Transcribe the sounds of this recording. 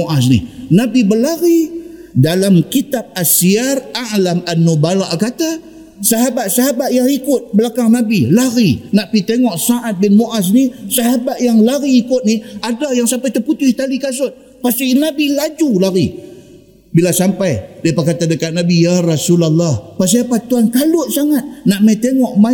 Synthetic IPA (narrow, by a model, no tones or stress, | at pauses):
oʔasnḭnabibəlaɾi | dalamkit̪ap̚asiaraʔlamanːubalaʔkat̪a | saɦabat̪̚saɦabat̪̚jaŋikʊt̪̚bəlakaŋnabilaɾinaʔpit̪eŋɔʔsaʔat̪̚bɪnmoʔas̬nisaɦabat̪̚jaŋlaɾiːkʊt̪̚niadajaŋsampajt̪əput̪ʊht̪alikas̬ʊt̪̚ | past̪inabilad͡ʒulaɾi | bilasampajdiapakat̪adəkat̪̚nabijaɾɑsulalˠːɑhpas̬iapat̪uankalʊʔsaŋat̪̚naʔmajt̪eŋɔʔma